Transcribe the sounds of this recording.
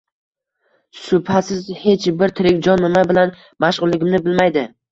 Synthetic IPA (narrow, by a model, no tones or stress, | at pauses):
sʊpʰasɪzhe̞t͡ʃbɪɾt̪ʰɪɾɪkʲd͡ʒɒnːɪmabɪlan | maʃʁʊlˠːɪɡʲɪmnɪbɪlmajd̪ɪ